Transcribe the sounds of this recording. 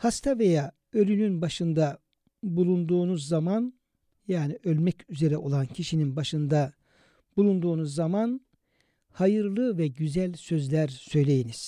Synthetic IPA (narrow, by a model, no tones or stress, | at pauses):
hast̪ʰavejaː | ø̞lʲynynbaʃɯnd̪a | bulˠund̪uːnuzːaman | jaːniʔø̞lʲmɛcyze̞ɾɛʔo̞lˠancʰiʃininbaʃɯnd̪a | bulˠund̪uːnuzːaman | hajɯɾlˠɯvɛɟyzælʲsø̞zlʲæɾsø̞jlʲe̞jiniz̥